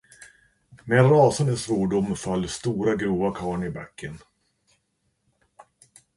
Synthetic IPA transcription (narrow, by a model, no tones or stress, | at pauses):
meɾɑːsand̪əsɾuːɖʊmfalːst̪uːɾaɡɾuːvakʰɑːɳɪba̰kʰːən